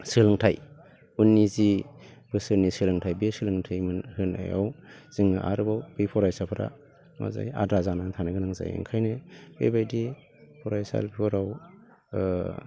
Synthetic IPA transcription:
sɯlɯŋtʰaj | unːizib̥ɯsɯɾnisɯlɯŋtʰajbesɯlɯŋtʰajmɯnhɯna̰ja̰wz̥iŋaʔa̰ɾɯbawb̥epʰɔɾajsapʰɯɾa̰ | ma̰za̰ja̰dɾazanatʰanaɡɯnɯŋza̰jḛŋkʰajneb̥ebajdi | pʰɔɾajsa̰lbʰiɔɾaw

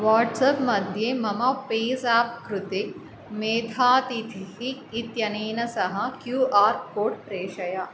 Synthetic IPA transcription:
ʋaːʈsɐpmɐd̪ʱjemɐmɐpeːzaːpkɾut̪e | meːt̪ʰaːt̪it̪ʰiɦiit̪jɐneːnɐsɐɦɐkjuːaːɾkoːɖ̚pɾeːʃɐjɐ

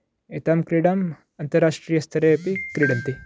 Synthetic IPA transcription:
et̪ɐmkɾiːɽɐm | ɐnt̪ɐɾaːʂʈɾiːjɐst̪ʰɐɾeːɐpikɾiːɽɐnt̪i

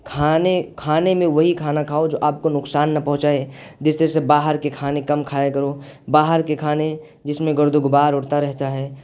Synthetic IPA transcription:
kʰaːnekʰaːnemẽʋɐɦikʰaːnakʰaːod͡ʒo̰ːʔaːp̚konʊksaːnːɐpɐ̃ɦʊ̃t͡ʃaed͡ʒɪst̪əɾɛsebaːɦəɾkekʰaːnẽkɐmkʰaːekɐɾo | baːɦəɾkekʰaːne | d͡ʒɪsmẽɡʊɾd̪ʱʊɡʊbaːɾʊɽt̪aɾɛɦt̪aɦɛː

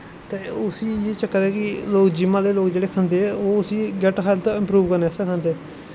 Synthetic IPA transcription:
t̪eːʊsiːjeːt͡ʃəkːəɾɛːkɪloːkd͡ʒɪmãːd̪eːloːkd͡ʒeːɽeːkʰə̃nd̪eːɛoːʊsiːɡɛʈɦaɪlt̪ːɪ̃mpɾuːʋkəɾneːsãkʰə̃nd̪eː

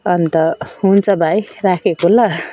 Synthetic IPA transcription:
ʌnt̪ʌɦunt͡sʰʌbʱajrakʰekolʌ

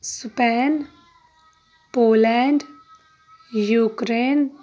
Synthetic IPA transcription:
spɛːn | poːlɛːɳɖ | juːkɾeːn

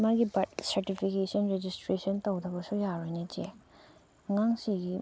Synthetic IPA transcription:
maɡibɐt̚sɐɾtipʰikesɐnɾed͡ʒistɾesɐntɐwdɐbɐsujaɾojnet͡ʃe | ŋaŋsiɡi

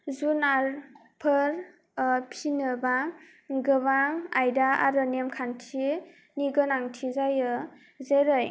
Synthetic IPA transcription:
zunaɾ | pʰɯɾ | pʰinɯbaŋ | ɡɯbaŋajdaa̰ɾɯnemkʰantʰi | niɡɯnaŋtʰizajɯ | zeɾɯj

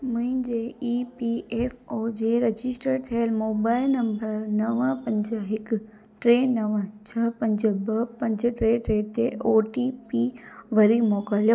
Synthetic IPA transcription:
mʊ̃ɦɪ̃d͡ʑeːiːpieːfoːd͡ʑeːɾɐd͡ʑɪsʈəɾt̪ʰiəlmoːbaːɪlnɐ̃mbəɾnɐʋə̃pɐ̃ɲd͡ʑɦɪk | ʈɾeːnɐʋə̃t͡ɕʰɐpɐ̃ɲd͡ʑbɐpɐ̃ɲd͡ʑʈɾeːʈɾeːt̪eʔoːʈipiʋɐɾimoːkaːlijoː

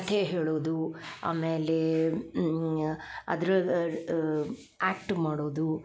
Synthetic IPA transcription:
t̪ʰeɦeːɭoːd̪ua̰ːmeːle | ɐ̰d̪ɾu | aːk̚ʈmaːɽoːd̪u

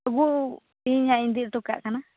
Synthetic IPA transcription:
ɡuʔ | piɲãĩnd̪it̪uka̰ʔkanã

